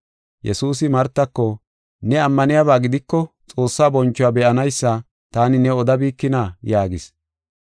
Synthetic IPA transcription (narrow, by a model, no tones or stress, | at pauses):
jɛ̰suːs̬ɪmɐɾt̪ːɐkːɔ | nɛɐmːɐnɪjaβaːɡɪd̪ɪkːɔ | t͡sʼo̞ːsːaːbɔnt͡ʃːɔwabɛʔɐnɐjsːɐ | t̪aːnɪnɛɔd̪ɐbiːkːɪnaːjaːɡɪs